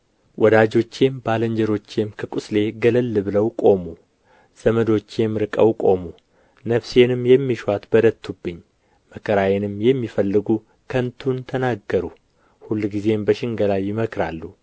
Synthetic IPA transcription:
wʔɔd̪ad͡ʒo̞t͡ʃːe̞mbaləɲd͡ʒəɾo̞t͡ʃːe̞mkʰəkʼʊsle̞ɡələlːɨβɨləwkʼo̞mu | z̥əməd̪o̞t͡ʃːjɛmɾɨkʼəwkʼo̞mu | nəβse̞nɨmjɛmːiʃwat̪bəd̪ət̪ʰːubːɨɲː | məkʰəɾajenɨmjɛmːifəlːɨɡu | kʰənt̪ʰunt̪ʰənaɡəɾu | hulːɡize̞mbəʃɪŋɡəlajɪməkʰɾa̰lːu

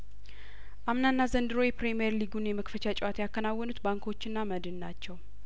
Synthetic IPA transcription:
ʔamnanːazənd̪ɨɾo̞jpɾemijeɾliɡunjɛməkfət͡ʃat͡ʃʼwat̪jakːənawːɔnut̪baŋkʰo̞t͡ʃːɪnːaməd̪ɨnnːat͡ʃːɛw

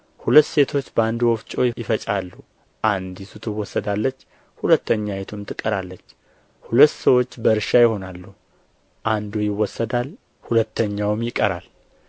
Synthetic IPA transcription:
hulət̪ːse̞t̪ʰo̞t͡ʃːbəand̪wɔft͡ʃʼo̞jjɪfət͡ʃʼalːu | ʔand̪isut̪ʰɨwɔsːəd̪alːət͡ʃː | hulət̪ːəɲːajet̪ʰumt̪ʰɨkʼːəɾalːət͡ʃː | hulət̪ːsəwo̞t͡ʃːbəɨɾʃajɪho̞nalːu | ʔand̪ujɪwːɔsːəd̪al | hulət̪ʰːəɲːawmjɪkʼːəɾa̰l

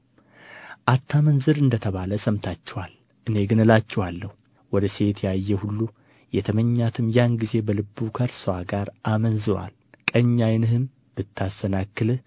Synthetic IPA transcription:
ʔat̪ʰːamənzɨɾɨnd̪ət̪ʰəβaləsəmt̪ʰat͡ʃːɛwal | ʔɨne̞ɡɨnɨlat͡ʃːɛwalːəhu | wɔd̪əse̞t̪jajːɛhulːu | jɛt̪ʰəməɲːat̪ʰɨmjanɡize̞bəlɨbːukʰəɾswaɡaɾʔamənzɨwa̰l | kʼəɲːajnɨhɨm | b̥ɨt̪ʰːast̪ənakːɨlɨ

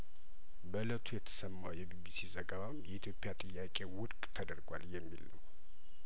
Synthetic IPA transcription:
bələt̪ʰujɛt̪ʰə̥səmːawjɛbibisizəɡəβamjɛit̪ʰjo̞pʼːjat̪ʼɨjːakʼe̞wʊɾkʼt̪ʰəd̪əɾɡʷwa̰ljɛmːilːəw

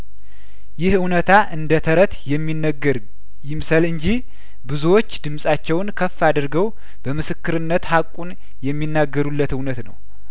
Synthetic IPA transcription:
jɪhɨwnət̪ʰaʔɨnd̪ət̪ʰəɾət̪jɛmːinːəɡːəɾ | jɪmsəlɨɲd͡ʒih | bɨzuwo̞t͡ʃːd̪ɨmsʼat͡ʃːɛwnkʰəfːad̪ɨɾɡəw | b̥əmɨsɨkːɨɾɨnːət̪hakʼːun | jɛmːinːaɡːəɾulːət̪ɨwnət̪nə̰w

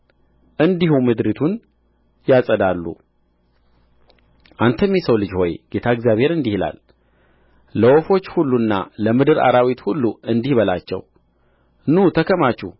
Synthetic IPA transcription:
ʔɨnd̪ihumɨd̪ɾit̪ʰun | jasʼəd̪alːṵ | ʔant̪ʰəmːisəwlɨd͡ʒho̞jɡ̥e̞t̪ʰaɪɡzjaβhe̞ɾɨnd̪ihila̰l | əwofo̞t͡ʃːhulːunːa̰ləmɨd̪ɨɾa̰ɾawit̪hulːuɨnd̪ihbəla̰t͡ʃːɛ̰w | nut̪ʰəkʰəmat͡ʃːu

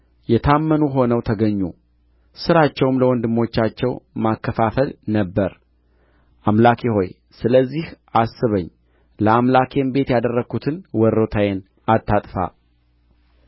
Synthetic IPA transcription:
jɛt̪ʰamːənuɦo̞nəwt̪ʰəɡəɲːu | sɨɾat͡ʃːɛwɨmləwɔnd̪ɨmːo̞t͡ʃːat͡ʃːɛwmakːəfafəlnəbːəɾ | ʔamlakʰeho̞j | sɨləzːihʔasːɨβəɲː | ləamlakʰembe̞t̪jad̪ərːəɡut̪ʰɨnwɔɾːot̪ʰajen | at̪ʰːat̪ʼfa̰

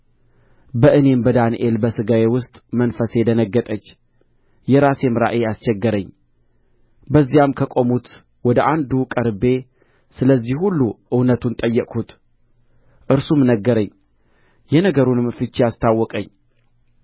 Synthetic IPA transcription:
bəʔɨne̞mbəd̪anḭʔelbəsɨɡawe̞wʊst̪ʼmənfəse̞d̪ənəɡːət̪ʼət͡ʃː | jɛɾasemɾa̰ʔeast͡ʃɛɡːəɾəɲː | bəzːijamkʰəkʼo̞mut̪ | wɔd̪əʔand̪ukʼəɾbe̞ | sɨləzːihhulːuʔɨwnət̪ʰunt̪ʼəjːɛkʼʰut̪ | ʔɨɾsumnəɡːəɾəɲː | jɛnəɡəɾunɨmfɨt͡ʃːejast̪ʰawːɔkʼəɲː

